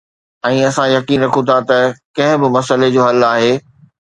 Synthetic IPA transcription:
ɛ̃ːɐsãjɐkiːnɾɐkʰũt̪ʰat̪ɐkɐ̃ɦɪ̃bɪmɐsəled͡ʑoːɦɐlaːɦeː

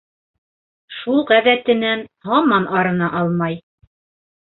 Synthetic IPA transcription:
ʃulˠʁæðæt̪ɘ̆nænhɑmɑnɑɾɤ̆nɑʔɑlˠmɑj

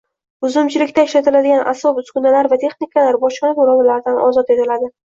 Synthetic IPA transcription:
ʊzʊmt͡ʃʰɪlɪkʲt̪aɪʃlat̪ɪlad̪ɪɡʲanʔa̰sɒpʊskʊnalaɾvat̪ʰe̞χnɪkʰalaɾbɒʃɑnamʊɾɒd̪alaɾɪd̪anʔɒ̰zɒt̪e̞t̪ʰɪlad̪ɪ

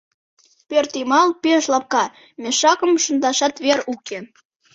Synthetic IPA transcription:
pørt̪imɑlpeʃlɑp̚kɑ | mʲeʃɑkə̆mʃə̆nd̪ɑʃɑt̪βeɾukʰe

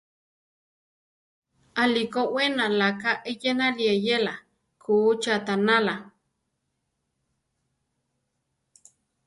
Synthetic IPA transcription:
alikoʔwenalakaʔejenaliejela | kʰuːt͡ʃat̪anala

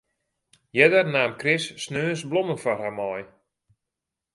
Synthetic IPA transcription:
jɛdərnaːmkrɪsːnøːnsblɔmənfɔrhamɔj

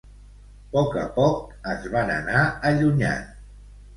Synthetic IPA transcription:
pɔkəpɔk̚əzβanə̰naəʎuɲa̰n

